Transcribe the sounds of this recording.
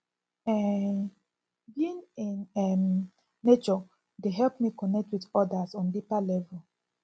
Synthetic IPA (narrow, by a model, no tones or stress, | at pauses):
ɛ | bĩnenɛm | net͡ʃɔ | deɦɛlpmikɔnɛk̚twidɔdasɔ̃ndipalɛvɛl